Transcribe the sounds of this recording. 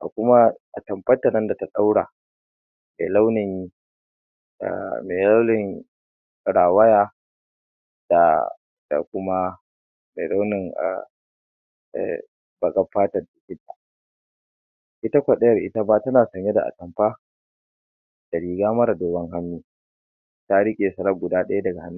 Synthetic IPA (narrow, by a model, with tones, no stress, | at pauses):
ʔa̰˨kʷʊ˦ma˦ʔa˨tɐ˨mɸɐ˦tːa˨nɐ˦nda˨ta˨ɗa˦wɽa̰ː˨ | mḛː˨la˦wnɪ˨ŋ˦˨ | meː˨la˦wlɪ˨ŋ˨ | ɽaː˨wɐ˦jaː˦ | d̥a̰˨ | d̥a̰˨kʷʊ˦ma˦ | mḛ˨la˦wnɪ˨ŋ̰˨ | bɐ˨kʼɐ˦ɸːaː˦tɐ˨rda˨kʲɪ˦tːa̰˨ | ʔɪ˦ta˦kʷɐ˨ɗɐ˦jɐ˨rʔɪ̰˦ta˦baː˦tɐ˦naː˨sɐ˨ɲje˦da̰˨ʔa̰˨kɐ˨mɸa˦ | d̥a˨ɾiː˨ɡaː˦mɐ˦ɾa˨doː˨bɐ˦ŋɦa˦mːiː˦ | ta˦ɽɪ˦kʲʼeː˨sɐ˨lɐ˦ɡʷʊ˨daː˦ɗɐ˦ja˦dɐ˨ɡa˨ha˦nːa˦